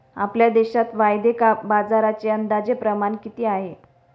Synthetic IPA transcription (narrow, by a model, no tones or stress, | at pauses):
a̰pljad̪eɕat̪ʋajd̪ekabad͡zaɾat͡seənd̪ad͡zepɾəmankit̪iːaɦe